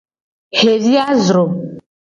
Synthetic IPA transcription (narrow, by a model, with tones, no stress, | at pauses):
he˨ɾi˦a˦zɾo˨